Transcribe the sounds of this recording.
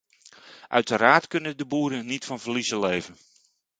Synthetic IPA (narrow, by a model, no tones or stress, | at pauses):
ʔœ̰ɥtəraːtkɵnədəbuːɾənnitfɑnvərlizəleːvən